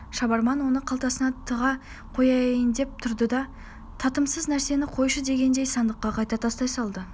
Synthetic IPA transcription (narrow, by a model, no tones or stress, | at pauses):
ʃɑbɑɾmɑnwo̞nəqʰɑlˠt̪ɑsənɑt̪ʰəʁɑ | qʰo̞jɑjənd̪e̞p̚t̪ʰʊɾd̪əd̪ɑ | t̪ʰɑt̪əmsəznæɾse̞nɪqʰo̞jʃəd̪e̞ɡʲe̞nd̪e̞jsɑnd̪əqːɑqʰɑjt̪ɑt̪ʰɑst̪ɑjsɑlˠd̪ə